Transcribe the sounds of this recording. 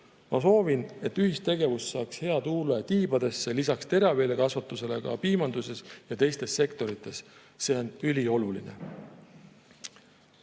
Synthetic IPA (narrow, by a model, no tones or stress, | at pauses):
mɑso̞ːvine̞t̪ːyhist̪e̞ɡ̥e̞vust̪sɑːkshe̞ɑt̪uːlet̪iːb̥ɑd̪̥e̞sːe̞lisɑkst̪e̞ɾɑve̞ːle̞kɑsvɑt̪ːˑuse̞le̞kɑ̰piːmɑnd̪̥use̞sjɑt̪e̞jst̪e̞sːe̞kt̪o̞ɾit̪ːˑe̞s | se̞o̞nylʲio̞luline̞̰